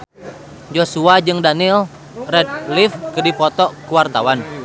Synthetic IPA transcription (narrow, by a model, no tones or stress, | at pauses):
d͡ʒosuad͡ʒɨŋdanil | rɛd̚lifkədipɔt̪ɔkuwart̪awan